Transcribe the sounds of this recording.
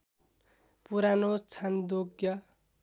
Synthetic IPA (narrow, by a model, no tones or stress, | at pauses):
puɾanot͡sʰand̪oɡjʌ